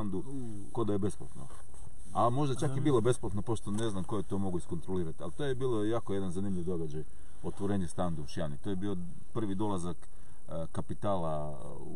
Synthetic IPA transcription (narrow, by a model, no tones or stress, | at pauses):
and̪u | kod̪ajebe̞spla̰t̪no̰ | amo̞ʒd̪at͡ʃakjebiːlo̞be̞splˠat̪nopo̞ʃt̪one̞znamko̞jet̪o̞mo̞ɡuisko̞nt̪ɾoliːɾat̪ialt̪ojebiːlo̞jaːkoje̞d̪anzanimʎʲiʋd̪o̞ɡad͡ʑaj | ot̪ʋoɾeːɲest̪and̪uuʃjanit̪ojebio̞ | pr̩ʋid̪o̞lˠazak | kːapit̪aːla